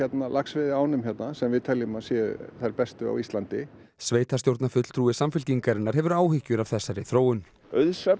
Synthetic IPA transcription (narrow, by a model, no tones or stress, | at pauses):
ɛt̪nalʔaksvɪðɪaːwnʏmçɛt̪nasɛmvɪðt̪ʰɛlːɪmaðsjɛθajɾpɛst̪ʏa̰wist̪lant̪ɪ | sveːjt̪ast̪jowɾt̪nafʏt̪l̥t̪ʰɾuːvɪsamfʏlc̪iŋkaɾɪnːaɾ̥ɦɛvʏɾaːwhɪhcːʏɾav̥θɛsːaɾɪθɾoːwʏn | œðsɛp